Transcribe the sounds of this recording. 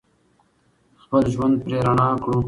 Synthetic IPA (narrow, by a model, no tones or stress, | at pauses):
xpəlʒwand̪̚pɾeɾaɳɑːkɽũ